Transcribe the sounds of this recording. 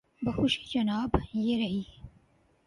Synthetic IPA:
bəxʊʃi̥ːd͡ʒɐnaːbjeɾɐiː

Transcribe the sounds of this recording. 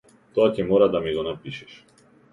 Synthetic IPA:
t̪ɔacɛmɔɾad̪amiɡɔnapiʃɛʃ

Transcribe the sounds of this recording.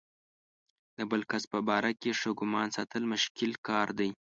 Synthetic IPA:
d̪̥əbəlkaspəbɑɾakeʂəɡʊmɑnsɑt̪ʰəlmʊʃkɪlkɑɾd̪aj

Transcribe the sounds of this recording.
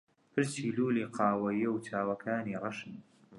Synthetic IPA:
pʰɨɾsiːluːliːqʰɑːwɐjɐwt̪ʰaːwɐkʰaːnirˤɑʃɨn

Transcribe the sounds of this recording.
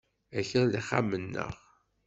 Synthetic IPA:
æçəðliχːamːənːə̰ʁ

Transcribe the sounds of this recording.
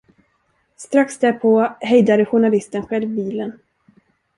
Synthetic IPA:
st̪ɾaksd̪æɾpʰoːhɛjd̪ad̪əɧʊɳalɪst̪ənɧɛlvbiːlən

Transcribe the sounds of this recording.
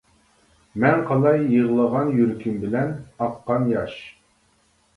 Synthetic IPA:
mɛŋqʰɑlˠɑjːəʁlˠəʁɑnjyɾkʲʰimbɪlɛnɑqːɑnjɑʃ

